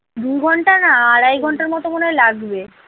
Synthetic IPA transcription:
d̪uɡʱɔɳʈanaaɽajɡʱɔɳʈaɾmɔt̪omonejlaɡbe

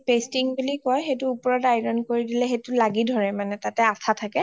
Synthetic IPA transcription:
pestiŋbulikɔjxetuupɔɹɔtajɹɔnkoɹidilɛxetulaɡidʱɔɹɛmanɛtatɛasʰatʰakɛ

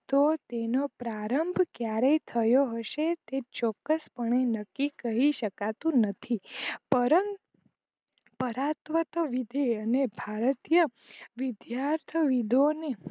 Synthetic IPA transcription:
t̪ot̪enopɾaɾəmbʱkjaɾejt̪ʰəjoɦəʃet̪et͡ʃɔkːəspəɳenəkːikəɦiʃəkat̪ũnət̪ʰipəɾən | pəɾat̪ʋət̪ʋid̪ʱeənebʱaɾət̪ijə | ʋɪd̪jaɾt̪ʰəʋid̪ʱone

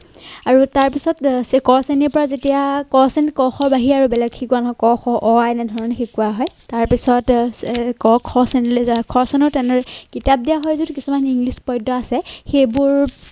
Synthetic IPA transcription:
aɹutaɹpisɔtskɔseniɹpɔɹazetijakɔsɛnkɔxɔɹbaɦiaɹubɛlɛɡxʰikuanɦɔjkɔxɔʔɔaɛnɛdʱɔɹɔnɛxikuaɦɔjtaɹpisɔtkɔkʰɔsɛnlkʰɔsɛnɔɹtɛnɔɹkitap̚dijaɦɔjzudkisumaniŋɡlispɔjdɔasɛxejbʊɹ

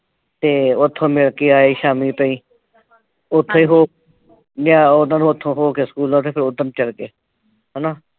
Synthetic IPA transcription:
t̪eːʊt̪ʰːõːmɪɭkeːaːeʃaːmiːpə̃ĩː | ʊt̪ʰːõːĩːɦoː | naːod̪ãːnːʊt̪ʰːõːɦoːkeskuːlãːt̪eːpʰɪɾʊd̪əmt͡ʃəɽkeː | ɦɛnaː

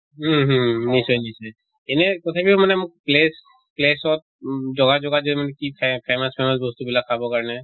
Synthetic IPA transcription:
ɦɦnisɔjnisɔj | enɛkɔt̪ʰabimanɛmʊk̚ples | plesɔt | d͡ʒɔɡad͡ʒɔɡad͡ʒɔmanɛkipʰpʰemaspʰemasbɔst̪ubilakʰabɔkaɹnɛ

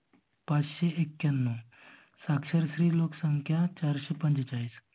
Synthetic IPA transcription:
pat͡ʃʃeekːjɐnːo | sakʃəɾsɾiːloːksəŋkʰjat͡ʃaːɾʃepə̃nd͡ʒt͡ʃaːis

